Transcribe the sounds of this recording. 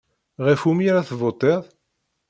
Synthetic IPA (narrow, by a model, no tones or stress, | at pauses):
ʁəfumiɾaθvot̪ˤːeðˤ